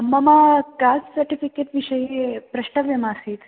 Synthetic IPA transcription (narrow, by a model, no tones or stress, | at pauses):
mːamakassɐɾʈifikeʈʋiʂəjepɾɐʂʈəʋjɐmaːseːt̪